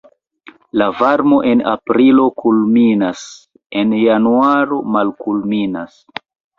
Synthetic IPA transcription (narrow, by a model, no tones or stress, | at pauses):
lavaɾmo̞ʔe̞na̰pɾilo̞kʰulminas | e̞njanuaɾo̞malkulminas